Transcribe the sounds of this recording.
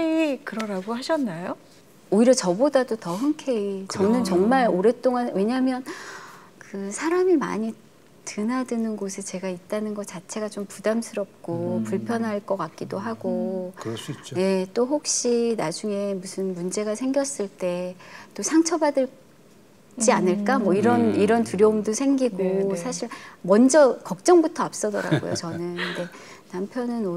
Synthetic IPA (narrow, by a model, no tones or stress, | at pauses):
eikɯɾʌɾaɡohaɕʰʌnːajo | oiɾʌt͡ɕʌbodadotʌɦɯŋkʰe̞it͡ɕʌnɯnt͡ɕʌŋmaɾoɾe̞t͈oŋanwe̞ɲaɦmjʌn | kɯsʰaɾamima̰ɲi | tɯnadɯnɯnɡosʰɯt͡ɕe̞ɡait̚t͈anɯnɡʌt͡ɕat͡ɕʰe̞ɡat͡ɕompudamsʰɯɾʌp̚k͈opuɭpʰjʌnɦaɭk͈ʌk͈ak̚k͈idoɦaɡo | je̞t͈oɦok̚ɕ͈inad͡ʑuŋe̞musʰɯnmund͡ʑe̞ɡasʰe̞ŋɡjʌs͈ɯɭt͈e̞t͈osʰaŋt͡ɕʰʌbadɯɭ | t͡ɕ͈ianɯɭk͈amʌiɾʌniɾʌntuɾjʌumdosʰeŋɡiɡosʰaɕʰiɭmʌnd͡ʑʌkʌk̚t͡ɕ͈ʌŋbutʰʌap̚s͈ʌdʌɾa̰ɡo̰jo̰t͡ɕʌnɯnne̞ | nampʰjʌnɯno